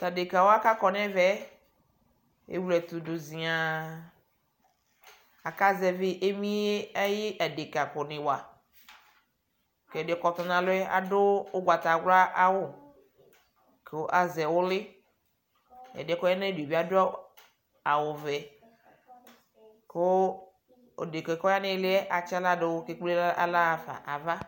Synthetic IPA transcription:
t̪a˨de˨ka˨wo˦a˦ka˦kɔ˨nɛ̃˦vɛ˦ | ḛ˦wlɛ˨t̪ʊ˨dʊ˨zi˨a˨ | a˨ka˦zɛ˨vɪ˦ʔe˦mĩ˦e˦ɛ˦jɪ˦ʔa˨de˨ka˨kɔ˨nɪ̃˨wa˨ | kɛ˨de˨˦kɔ˨t̪ɔ˨nã˨lʊ˦ɛ˦a̰˨dʊ˦ʊ˦ɡʷa˨t̪a˨ɡla˦ʔa˦wʊ˦ | kʰe˨wo˦ʔa˨zɛ˨wʊ˦lɪ˦ | ɛ̰˨dɪ˨ɛ˨˦kɔ˦ɛ˦ne˦de˨bi˦a˦dʊ˦a˦ | a˨wʊ˨vɛ˨ | ke˦ | o̰˨de˨kɛ˨˦kɔ˦ja˦nɪ̃˦lɪ˦ɛ˦ʔa˨t͡ʃa˦la˦dɪ˨wʊ˦ke˦k͡ple˦la̰˦la˦˨fa̰˨ʔa˨va˦

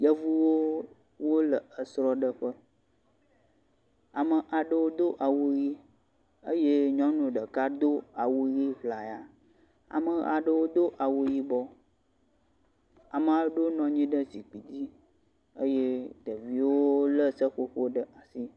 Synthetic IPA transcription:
jə˦vu˦wo˦ | wo˦lə˨ə˨sɾɔ˦ɖə˦ɸə˦ | a˨mə˨ʔa˨ɖə˦wo˦d̪o˦ʔa˨wu˦ɣi˦ | ə˦je˦ɲɔ̃˦nũ˨ɖə˨ka˦d̪o˦a˨wu˦ɣi˦vla˨ja˨ | a̰˨mə˨a̰˨ɖə˦wo˦d̪o˦ʔa˨wu˦ji˦bɔ˦ | a˨mə˨a˨˦ɖo˦nɔ̃˨ɲĩ˦ɖə˦si˨k͡pi˨di˦ | ə˦je˦t̪ə˨vi˨˦wo˦lə˦sə˦ɸo˦ɸo˦ɖə˦ʔa˨si˦

